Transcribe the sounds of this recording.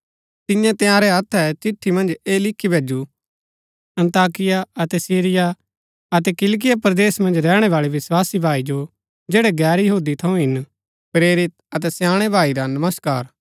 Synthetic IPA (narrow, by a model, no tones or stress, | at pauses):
t̪ɪ̃jãt̪ejãːɾɛɐt̪ʰːɛt͡ʃɪʈʰːimɐ̃nd͡ʒeːlɪkʰːibʱeːd͡ʒu | ɐ̃nt̪aːkɪjaɐt̪ɛsiːɾɪja | ɐt̪̬ɛkɪlk̬ɪjapɾɐd̪eːsmɐ̃nd͡ʒɾɛːɽ̃ɛʋaːɭiʋɪswaːsibʱaːid͡ʒo | d͡ʒeːɽeɡɛːɾjɐɦuːd̪it̪ʰɐũɦɪn | pɾeːɾɪt̪̚ɐt̪̬ɛsjãːɽ̃ebʱaːiɾanɐməskaːɾ